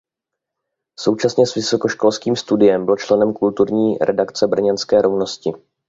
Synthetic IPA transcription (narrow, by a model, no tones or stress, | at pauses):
so̞wt͡ʃasɲɛsvɪso̞ko̞ʃko̞lskiːmst̪udɪjɛmbɪlt͡ʃlɛnɛmkult̪uɾɲiːɾʔɛdakt͡sɛbr̩ɲɛnskɛːɾo̞vno̞scɪ